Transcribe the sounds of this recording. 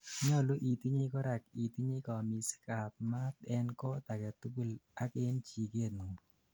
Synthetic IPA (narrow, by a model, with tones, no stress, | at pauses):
ɲɔ˦˨lu˦ʔi˨t̪i˦ɲi˦kɔ˦ɾa˨ki˨t̪i˦ɲi˦kɔ˨mi˨si̥˦ka˨t̚ma˦t̪ɛ˦nkɔ˦t̪a˨kɛ˨t̪u˦bu˦la˦ke˦nt͡ʃi˨ke˦˨tnu˨